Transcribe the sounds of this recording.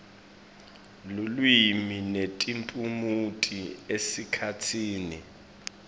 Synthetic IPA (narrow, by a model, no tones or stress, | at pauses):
lulwiminetʼimpʼumutʼiesikʰatʰiːni